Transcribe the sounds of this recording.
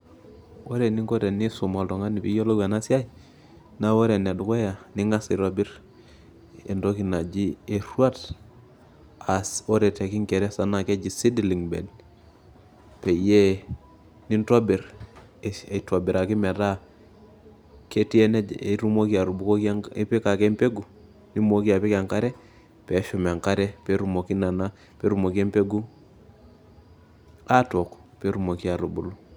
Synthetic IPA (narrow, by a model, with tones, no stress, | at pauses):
wo˦ɾe˨ni˦ŋɡo˦ɾe˨ni˦su˨ma˨lto˨ŋa˦ni˨pi˦jo˦lo˦ɡʷa˨na˦si˦a˦j | na˦wo˦ɾe˨n˨du˨ko˦ja˨ni˦ŋa˦sa˨ɾo˦bi˦ɾ | ḛ˨ndo˦ki˨na˨d͡ʒi˦e˨ɾu˦a˦t | a˨so˦ɾe˨te˨ki˦ŋke˨ɾe˦sa˨na˨ke˦d͡ʒi˨si˦di˨li˨ŋbḛ˨d | pe˨je˦ | ni˦nto˦bi˨ɾ | two˨bi˨ɾa˨ki˦me˨ɾa˦ | ke˦ti˦e˦ne˦˨ɾu˦mo˦ki˦a˨ɾu˨bu˦ko˦kŋi˦pi˦ka˨ke˦mpe˦ɡu˨ | ni˦mo˦ki˦a˨pi˦ka˨ŋka˦ɾe˦ | pe˨˦ʃu˨me˨ŋka˦ɾɛ˦pe˦ɾu˨mo˨ki˦na˨na˦ | pe˦ɾu˨mo˨ke˦mpe˦ɡu˦ | a˦to˨kpe˦ɾu˨mo˨ki˦a˨ɾu˨bu˦lu˦